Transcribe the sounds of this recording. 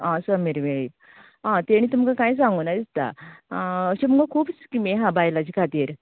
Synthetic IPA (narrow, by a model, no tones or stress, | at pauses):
ãsəmiɾʋeɭiː | ɦãt̪eɽ̃iːt̪umkakajs̬ãŋɡonad̪ist̪a̰ | əɕemuŋɡakʰuːpt͡skimeɦãbajlat͡ɕikʰat̪iːɾ